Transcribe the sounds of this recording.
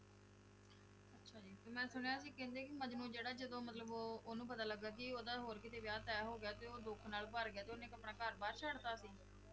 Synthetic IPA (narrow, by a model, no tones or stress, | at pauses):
ətːʃʰaːd͡ʒiːt̪eːmɛ̃ːsʊɽ̃ejaːs̬iːkɛ̃ːnd̪eːkɪmə̃d͡ʒnũːd͡ʒeːɽaːd͡ʒəd̪õːmət̪ləboːonũːpət̪aːləɡːaːk̬ɪoːd̪aːɦoːɾkɪt̪eːʋjaːt̪ɛːɦoːɡɪjaːt̪eːoːd̪ʊkʰnaːlbəɾɡɪjaːt̪eːonẽːkəpɳaːkəɾbaːɾt͡ʃʰəɽt̪aːsiː